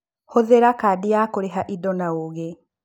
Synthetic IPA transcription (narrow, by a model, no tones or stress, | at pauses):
hoðeɾakaːdijakoɾeɦaʔidɔnaoɣe